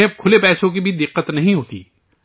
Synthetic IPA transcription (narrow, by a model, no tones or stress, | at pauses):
ẽkʰʊlepɛːsõk̬ibʱid̪ɪqːət̪nɐɦĩɦoːt̪ḭː